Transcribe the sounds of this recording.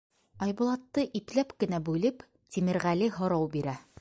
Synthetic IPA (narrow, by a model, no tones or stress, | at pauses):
ɑjbŭlˠɑt̪ːɤʔiplæpkɘ̆næbʉlɘp | t̪imɘ̆ɾʁæliɦŏɾɑwbiɾæ